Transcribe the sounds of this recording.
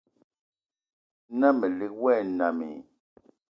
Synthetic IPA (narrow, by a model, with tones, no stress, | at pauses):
na˦mɛ˨le˦k̚wɛ˦˨na˨mḭ˨